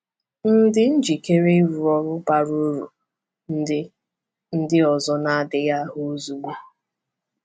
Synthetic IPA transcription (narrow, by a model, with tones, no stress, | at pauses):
n̩˦dɪ˦n̩˦d͡ʒi˨ke˦ɾe˦ɾu˨ɔ˦ɾʊ˦pa˨ɾo˦ɾu˨ | n̩˦ɪ˦ | n̩˦dɪ˦ɔ˨zɔ˦na˦a˦dɪ˨ja˦ɦʊ˦o˦zu˨ɡ͡bu˦